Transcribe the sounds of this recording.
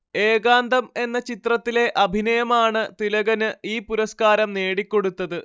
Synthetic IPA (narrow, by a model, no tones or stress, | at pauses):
e̞ːɡaːnd̪ʱɐme̞nːɐt͡ɕit̪rɐt̪ːile̞ʔɐbʱinɐjɐmaːɳɨt̪ilɐɣɐnɨiːpuɾɐskaːɾɐmne̞ːɽikʲːo̞ɽut̪ːɐðɨ